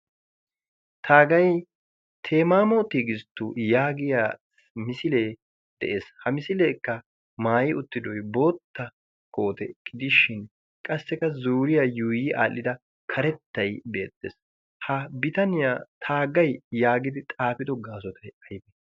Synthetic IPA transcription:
t̪ʰaːɡɐj | t̪ʰeːmaːmoːt̪ːiːɡɪst̪ːujaːɡɪjaː | mɪsɪleː | d̪̥ɛ̰ʔe̞ːshɐmɪsɪleːkːɐ | maːjɪʊt̪ːɪd̪ɔjbo̞ːt̪ːɐ | kʰo̞ːt̪ɛkʼːɪd̪ɪʃːɪn | kʼɐsːɛkɐzuːɾɪjajuːjɪʔa̰ːlːɪd̪ɐ | kʰɐɾɛt̪ːɐjbe̞̰ːt̪ːḛːs | hɐbɪt̪ɐnɪjaːt̪ʰaːɡɐjjaːɡɪd̪ɪt̪ʼaːpɪd̪ɔɡaːsɔt̪ɐjɐjbɛ

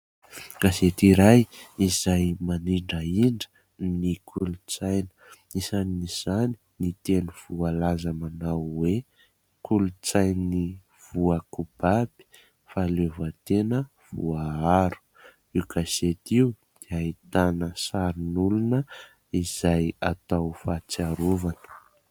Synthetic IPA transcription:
ɡ̥aset̪iɾajizajmaniɳɖ͡ʐəiɳɖ͡ʐə̥ | nikʰulut͡sajnə̥ | izaniiz̥ani̥nit̪enuv̥ualazamanawwe | kʰulut͡sajnni | v̥uakub̥abi̥ | falevət̪enə | v̥ṵaaɾu̥ | ikaset̪iu | d̪̥eait̪anəsaɾinulunə | iz̥ajat̪awfat͡siaɾuvanə̥

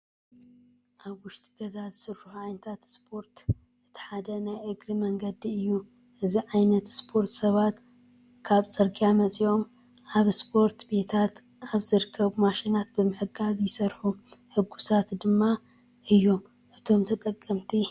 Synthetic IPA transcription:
ʔaβwʊʃt̪ʼi̥ɡɐzazɨsɨɾħuħuʕajnɐt̪ʰat̪spʰo̞ɾt̪ | ʔɨt̪ʰi̥ħad̪ɐnajʔɨɡɾimɐŋɡɐd̪iɨjːu | ʔɨziʕajnɐt̪spʰo̞ɾt̪sɐβat̪ | kʰaβt͡sʼɨɾɡijamɐt͡sʼio̞m | ʔaβspʰo̞ɾt̪be̞t̪ʰat̪ | aβzɨɾɨkʰːɐβumaʃinat̪̚bɨmɨħɨɡazjɪsɐɾħuħɨɡːusat̪d̪ɨmːa | ʔɨjːo̞m | ʔɨt̪ʰo̞mt̪ʰɐt̪ʼɐkʼːɐmt̪ʰi

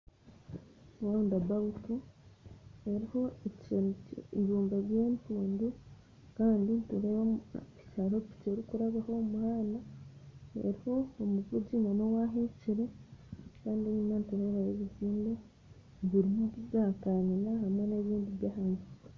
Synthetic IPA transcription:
waundabautu | e̞ɾiho̞e | iβuːmbaɾje̞ːntuːndu | kaːndintuɾeβaicaɾopi̥ceɾikuɾaβaho̞muhaːnda | ḛɾiho̞ːmuvuɟimano̞waɦeciɾekaːndieɲumanituɾe̞βajeβiziːnde | βiɾimuβizakanilahamwe̞neβiːndiβjaːhanɡike

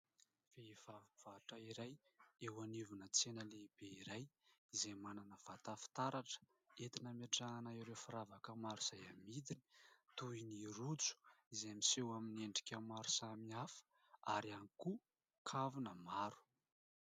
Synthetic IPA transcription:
v̥eivavuv̥aʈ͡ʂaiɾajewanivunət͡senəleib̥eiɾajizejmananəv̥at̪afi̥t̪aɾaʈ͡ʂə̥ | et̪inəmeʈ͡ʂaanaiɾewfiɾavakəmaɾuz̥ajamid̪ini̥t̪uiniɾut͡su̥izemisewamineɳɖ͡ʐi̥kʲamaɾu̥samiafə̥ | a̰ɾianiku | kʰavunəmaɾu̥

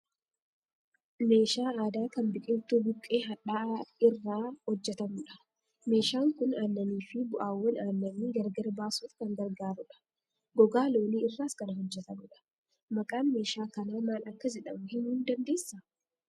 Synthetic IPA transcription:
me̞ːʃaːaːd̪aːkɐnbɪkʼɪnt̪uːbʊkʼːeːɦɐᶑaːɪrːaːhɔd͡ʒːɛt̪ɐmʊᶑɐ̥ | me̞ːʃaːŋkʊnaːnːɐniːfɪbʊʔaːwːɐnaːnːɐniːɡɐɾɡɐɾbaːsuːfkɐŋɡɐɾɡaːɾʊᶑɐ̥ | ɡɔɡaːlo̞ːniːɪrːaːskɐnɐhɔd͡ʒːɛt̪ɐmʊᶑɐ̥ | mɐkʼaːnme̞ːʃaːkɐnaːmaːnɐkːɐd͡ʒɛᶑɐmʊhɪnuːnd̪ɐnd̪e̞ːsːɐ

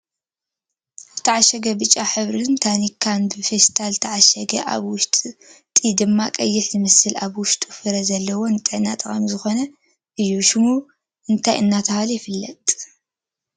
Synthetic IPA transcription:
ʔazt̪ʰɐʕaʃɐɡɐbɨt͡ʃʼːaħɨβɾɨnt̪ʰanikʰːanbɨfest̪ʰalɨt̪ʰɐʕaʃɐɡɐ̰ʔa̰βwʊʃt̪ʼit̪ʼid̪ɨmːakʼɐjːɪħzɨmɐsɨlaβwʊʃt̪ʼufɨɾɐzɐlːɐwo̞nt̪ʼɨʕnat̪ʼɐχʼɐmzɨxo̞nɐ | ʔɨjːuʃɪmuu | ʔɨnt̪ʰajʔɨnːat̪ʰɐhalɐjfɨlːɐt̪ʼ

